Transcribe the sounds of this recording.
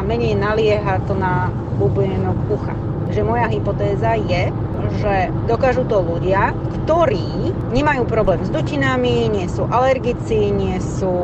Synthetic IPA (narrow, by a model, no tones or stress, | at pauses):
amɛɲɛjnalɪɛɦat̪ɔna | lubijɛnɔkuxa̰ | kʒɛmɔjaɦipɔt̪ɛːzajɛ | ʒɛd̪ɔkaʒut̪ɔluɟɪa | kt̪ɔɾiː | ɲɛmajuːpɾɔblɛːmzd̪ucinamiɲɪɛsuːʔalɛɾɡit͡siɲɪɛsuː